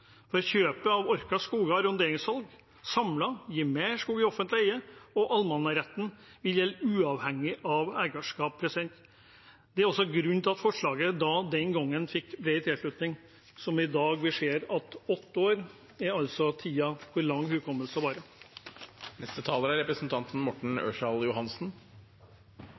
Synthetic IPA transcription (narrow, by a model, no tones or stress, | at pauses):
fɔɾɔçøːpəɑʋɔɾkɑskuːɡɑɾʊnd̪eːɾɪŋsʋɑlɡ | sɑmlɑjiːmɛʂkuːɡɪɔfənt̪lɪæɪəɔʔɑlmɑnːɑɾɛt̪ːən̩ʋɪljɛlːʉːɑʋhɛŋːɪʔɑʋæːɡɑʂkɑːppʰɾɛsɪd̪ɛnt̪ | d̪̥ɛæɾɔsːɔɡɾʉnːt̪ɪɑt̪fɔʂɭɑːɡəd̪ɑd̪ɛnɡɔŋːənfɪkːbɾeɪt̪ʰɪlʂlʉt̪nɪŋ | sɔmɪd̪ɑːɡbɪʂeːɾɑt̪ɔt̪ːoːɾ | ɛɑlsɔt̪ʰiːɑkʰʊɾlɑŋːhʉːkʰɔmːəlsəʋɑːɾə | nɛst̪ət̪ʰɑːləɾæɾɛpɾəsn̩t̪ʰɑnt̪n̩mɔʈɳ̩ø̰ːʂɑljʊhɑnsn̩